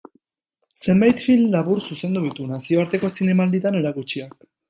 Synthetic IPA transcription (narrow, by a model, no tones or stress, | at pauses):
se̞mbajt̪filmlaβuɾsuse̞nd̪uðit̪unasio̞aɾt̪e̞ko̞sine̞mald̪it̪ane̞ɾakut͡ʃiak̚